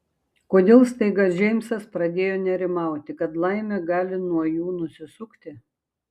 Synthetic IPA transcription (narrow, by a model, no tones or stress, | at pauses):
koːd̪ʲeːlˠst̪ɐɪɡɐsʒʲɛɪmsɐspɾɐd̪ʲeːjoːnʲɛɾʲɪmɑˑʊt̪ʲɪkɐt̪lˠɐɪmʲɛɡɑːlʲɪnuɔjuːnʊsʲɪsʊkt̪ʲɪ